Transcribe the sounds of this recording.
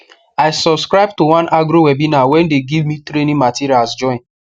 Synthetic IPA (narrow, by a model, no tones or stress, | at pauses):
aɪsɔbskɹaɪb̚towãnʔaɡɾowɛbinawɛ̃ndeɡivmitɾenĩmatiɾialsd͡ʒɔ̃ɪ̃n